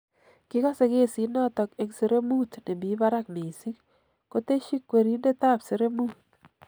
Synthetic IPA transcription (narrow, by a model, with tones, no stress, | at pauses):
kɪ˦kɔ˦se˦ke˦si˨nɔ˦tɔ˨ke˦kse˦ɾe˦mu˦t̪ne˨bi˨˦ba˦ɾa˦kme˨si˦ŋ | ko˦te˦ʃi˦kwe˨ɾi˦nde˦ta˦pse˨ɾe˦mu˦t̚